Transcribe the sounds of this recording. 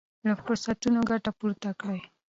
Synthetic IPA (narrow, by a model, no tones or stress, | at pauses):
ɽəfʊɾsat̪unoɡaʈapuɾt̪akɽaj